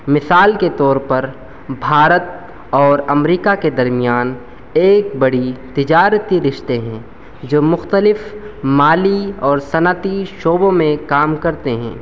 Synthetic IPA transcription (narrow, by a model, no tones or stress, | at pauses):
mɪsaːlket̪ɔːɾpɐɾ | bʱaːɾət̪̚ | ɔːɾɐmɾiːkaked̪ɐɾmijaːn | eːk̚bɐɽit̪ɪd͡ʒaːɾət̪iɾɪʃt̪eɦɛ̃ | d͡ʒoːmʊxt̪əlɪfmaːliɔːɾsɐnət̪iʃoːbõmẽkaːmkɐɾt̪eɦɛ̰̃ː